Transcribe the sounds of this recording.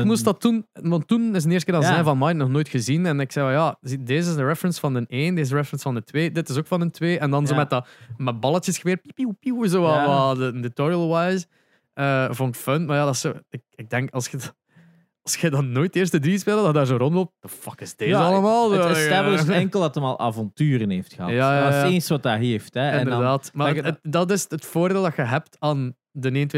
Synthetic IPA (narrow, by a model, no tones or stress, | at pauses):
mus̬tdɑtːunwɑntːunɪs̬ənɪːsəkːɾdɑzɛjnvɑnmajnnɔxnoːjtxəzinɛnɪksɛvɑjazideːzɪzəɹɛfɹənsfɑndəneːndeːzəɹɛfɹənsfɑndətweːdɪtɪsokfɑnəntweːʔɛndɑnzoːmɛt̚əmɛbɑlˠətjəsxəʋɪːrt̚pipiupiuzowawadənətɔɹiəlˠwajz | əːvonɪkfœnmajaːdɑsoːɪk̚ɪɡ̚dɛŋkɑlˠsxəd | ɑlˠsxədɑnːoːjt̚eːrstədɾis̬peːlˠədɑdaːrzoːɾɔntlop̚t̚d̥əfɑkɪzdezɑlˠəmaːlˠəɛəɛŋkəlˠdɑtəmɑlˠʔa̰ːvɔntyːɾənɦeːftxəɦɑ̰jaːjajsensʋɑtaːɦeftɛɪndəɾdaːtmaətdɑt̬ɪsətfoːrdeːlˠdɑxəɦɛp̚taːn | dəneːəntwe